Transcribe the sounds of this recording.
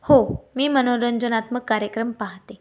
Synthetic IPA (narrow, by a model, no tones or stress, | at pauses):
homiːməñoɾənd͡ʑunat̪məkːaɾjəkɾəmpaɦt̪e